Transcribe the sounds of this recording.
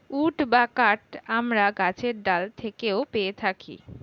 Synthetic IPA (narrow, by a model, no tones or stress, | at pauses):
uʈbakaʈamɾaɡat͡ɕʰeɾd̪alt̪ʰekeopeet̪ʰakḭ